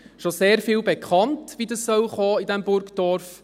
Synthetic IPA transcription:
ʃoseːɾfiːwbekʰɑntʋidəssœlχɔːidɛmbʊɾkd̥ɔɾf

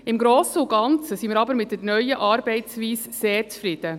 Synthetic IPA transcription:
ɪmɡɾoːsəʊɡɑnt͡səsiːmɪːɾɑbəɾmɪt̚dɛnœʏəʔɑːɾbɛɪsviːsseːɾt͡sfɾɪd̥̪ə

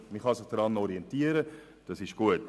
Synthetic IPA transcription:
miχɑsɪχd̥ɾɑnɔɾiɛntiəɾə | d̥ɑsɪʃɡ̥uət

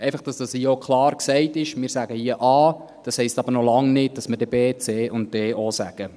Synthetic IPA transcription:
ɛɪfɑχd̥ɑsd̥ɑshiːokʰlɑːrksɛɪtɪʃmɪːɾsæɡəhiəʔɑː | d̥ɑshɛɪstɑbəɾnɔlɑŋnɪd̚d̥ɑsməɾdɛbeːt͡seːʊnt̚d̥ɛːʔosæ̰ɡ̥ə

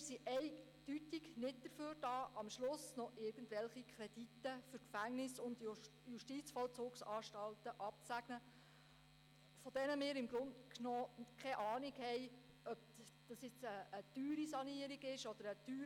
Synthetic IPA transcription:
msiʔɛɪ | d̥ytɪɡnɪt̚d̥̪əɾføːrdɑːʔɑmʃlʊsnɔʔɪɾɡ̥əndʋɛlχikʰɾɛd̥itːəfʏɾkfæŋnɪsʊnd | juʃtit͡sfɔlt͡sʊːksɑːʃtɑltəʔɑp̚t͡sæɡ̥nə | fɔd̥ɛnəmɪːɾɪmɡɾʊntknoːkʰχɛʔɑːnɪɡhɛj | œp̚d̥ɑsjɪt͡səːd̥yːɾisɑniːəɾiɡɪʃɔd̥̪əɾəd̥yː

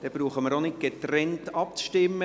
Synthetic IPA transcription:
d̥ɛb̥ɾuːχəməɾonɪt̚ɡ̥et̪rɛntɑpt͡sʃtɪmːə

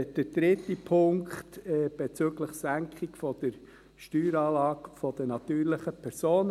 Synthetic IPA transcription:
d̥əd̥ɾɪt̪ːipʰʊŋkχt̪ɛb̥et͡søːɡləχsæŋkχikfɔd̪̥əɾ | ʃtyːɾɑːlɑːkfɔd̥̪ənɑt̪yːɾlɪχəpʰɛɾsoːn

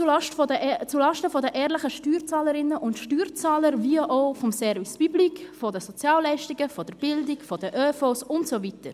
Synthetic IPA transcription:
t͡suʃtfət͡sulɑʃtəfɔdəʔɛːɾləχəʃtyːɾt͡sɑːləɾɪnəʔʊntʃtyːɾt͡sɑːləɾviəʔoʊfɔmsɛɾvispyblikfɔdəsɔt͡sjɑːlːɛɪʃtiɡəfɔd̥əɾb̥ɪldikfɔd̥əʔøːfosʊntsovitəɾ

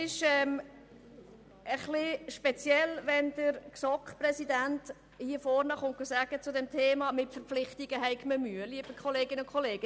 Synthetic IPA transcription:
ɪʃɛm | əχlɪʃpɛt͡sjɛlvɛndəɾksɔkχprɛsidænt | hiːəfɔɾnəχʊnt̚ɡ̥osæɡ̥ət͡sʊdɛmtʰeːmɑmɪtfəɾpp͡flɪχtiɡ̥əɦɛɪɡməmyəliəb̥əkχɔleːɡɪnʊnkʰɔleːɡ̥ə

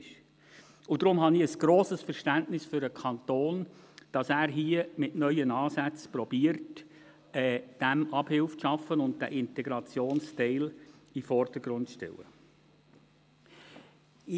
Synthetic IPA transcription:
ʃ | ʊd̥ɾʊmɦɑniəsɡ̥ɾoːsəsfɛɾʃtæntnɪsfʏɾəkʰɑntoːn | d̥ɑsæːɾɦiəmɪtnœʏənɑːsæt͡spɾɔbiːəɾt | ɛːd̥ɛmʔɑb̥hɪlfʃɑfənʊnt̚d̥æ̰ʔɪntɛɡɾɑt͡sjoːnstɛɪlifɔrd̥əɡ̥ɾʊntʃtɛ̰lə̰

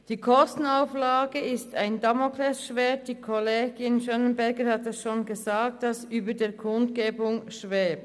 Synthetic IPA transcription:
d̥iːkʰɔstn̩aʊflaːɡəɪstaɪndɑmokʰlɛsʃveːɐt̚d̥iːkʰɔleːɡ̥ɪnʃɑnənbɛɐɡəɾhatɛsʃoːnɡəzaːk̚td̥ɑsʔyːbədeːkʰʊntkeːbʊŋʃvɛːb

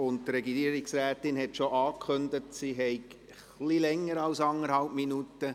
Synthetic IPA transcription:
ʊnttɾɛɡiiəɾɪksɾæːtɪnɦɛtʃoʔɑːkʰχøndətsiɦɛɪk | χlilɛŋːəɾɑwsɑnəɾhɑlpminutə

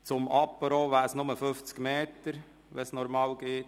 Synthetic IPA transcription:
t͡sʊmɑpːəɾoːʋæːɾsnʊməføft͡skmeːt̪əɾ | ʋɛsnɔɾmɑːlɡeːt

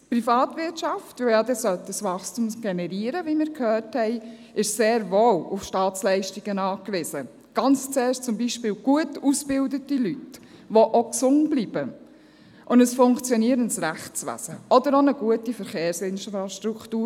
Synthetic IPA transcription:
pɾifɑːtvɪɾtʃɑftʋojad̪ɛsœlt̪dəsʋɑχstumsɡ̥ɛnɛɾiːəɾəʋimɪːɾkʰhœːthɛɪ | ɪʃseːɾvoːlʊfʃtɑːt͡slɛɪʃtiɡ̥ənɑːkʋɪsə | ɡ̥ɑnt͡st͡seːʃt͡sʊmbiʃpɪːlɡ̥uətusbɪldətilyt | ʋoʔoksʊntb̥liːb̥ə | ʔʊndəsfʊŋkt͡sjɔniəɾənsɾæχt͡sʋæ̰səɔd̪əɾonəɡ̥uətifəɾχeːɾsɪnʃɑʃtɾuktuː

